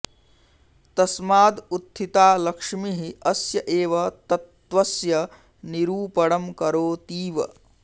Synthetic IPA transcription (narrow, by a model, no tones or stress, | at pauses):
t̪ɐsmaːd̪ut̪ʰːit̪aːlɐkʂmiɦiɐsjɐʔeːʋɐt̪ɐt̪ʋɐsjɐ | niɾuːpɐɽɐmkɐɾoːt̪iːʋɐ